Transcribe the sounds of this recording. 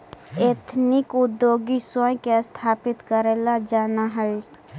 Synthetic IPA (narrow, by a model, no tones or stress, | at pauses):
eːt̪ʰnɪkʊd̪joːɡisɔjkest̪ʰaːpɪt̪kəɾɛːlad͡ʒaːnaɦəi